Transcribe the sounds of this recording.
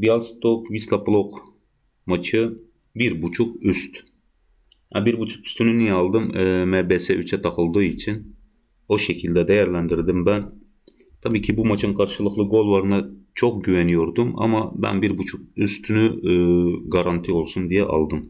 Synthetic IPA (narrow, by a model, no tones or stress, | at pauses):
bijalˠst̪ʰokvislˠaplˠok | mat͡ʃʰɯ | biɾbut͡ʃʰukyst̪ | ɛbiɾbut͡ʃʰu̥ky̥st̪ʰynynijɛɑlˠd̪ɯmːmæɾbɛsɛyt͡ʃʰɛt̪ʰɑqɯlˠd̪ɯit͡ʃʰin | o̞ʃecʰilʲd̪ɛd̪ɛjæɾlʲænd̪iɾd̪imbæn | t̪ʰabiːcʰibumat͡ʃʰɯnkʰaɾʃɯlˠɯqlˠɯɡo̞lˠvaɾɯnat͡ʃʰok̚ɟyvɛnyjo̞ɾd̪uma̰mabæ̰nbiɾbut͡ʃʰuk̚yst̪ʰyny | ɡaɾant̪ʰiolˠsund̪ijɛʔɑ̰lˠd̪ɯm